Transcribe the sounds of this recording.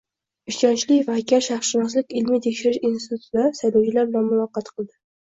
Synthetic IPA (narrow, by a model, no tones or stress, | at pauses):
ɪʃt͡ʃɒnt͡ʃlɪvakʲʰaɾʃaχʃɪnɒs̬lɪkʲɪlmɪt̪ʰekʲʃɪɾɪʃinsɪt̪ʰu̥t̪ɪd̪aɾsajlɒwt͡ʃʰɪlaɾbɪlanmʊvɑqːɑt̪qʰɨlˠd̪ɪ